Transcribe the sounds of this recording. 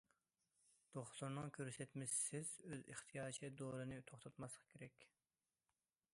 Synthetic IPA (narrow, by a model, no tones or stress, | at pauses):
d̪̥oχlˠuɾnɨŋkʲʰøɾsɛt̪mɪʃsɪzøzɨχt̪ʰijɑːt͡ʃʰid̪oɾɨnɨt̪ʰoχt̪ʰɑt̪mɑsʁʰɑ̥kʲʰeɾɛkʲ